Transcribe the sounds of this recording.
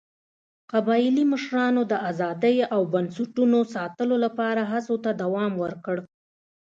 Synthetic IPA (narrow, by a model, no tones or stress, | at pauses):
qabɑjliməʃɾɑnod̪əʔazɑd̪əjawbansaʈunosɑt̪əlolapɑɾaɦasot̪ad̪awɑmwəɾkəɽ